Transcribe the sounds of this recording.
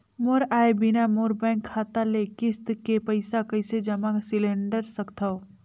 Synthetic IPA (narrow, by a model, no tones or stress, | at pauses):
moɾaːebɪnamoːɾbɛ̃ːŋkʰːaːt̪alekɪst̪kepəɪsakɐɪsed͡ʒɐmasɪlẽɳɖəɾsɐkt̪ʰao